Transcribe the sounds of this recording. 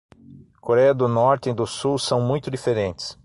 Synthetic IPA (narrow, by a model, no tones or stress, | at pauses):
koɾɛjɐd̪ʊnɔɾt̪ẽd̪ʊsuwsɐ̃w̃mũj̃t̪ʊd̪ifeɾẽnt̪ɪ̥s